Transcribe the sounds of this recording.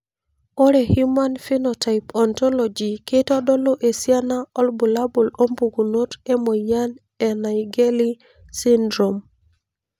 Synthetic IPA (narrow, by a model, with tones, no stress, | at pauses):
o˦ɾe˨hu˦ma˦nfi˦nɔ˨ta˨ɪpɔ˨ntɔ˦lɔ˨d͡ʒi˨ke˦tɔ˦dɔ˦lo˦ʔe˨sja˦na˦ɔ˦lbu˨la˦bu˨lo˦mbu˨ɡu˨no˦te˦mo˨ja˦n | ɛ˨na˨ɪɡe˦li˦ | si˦ndɾom